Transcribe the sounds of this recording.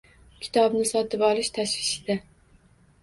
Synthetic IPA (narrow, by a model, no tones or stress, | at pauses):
kʲʰɪ̥t̪ʰɒbnɪsɒt̪ʰɪpɒlˠɪʃt̪ʰaʃvɪʃɪd̪a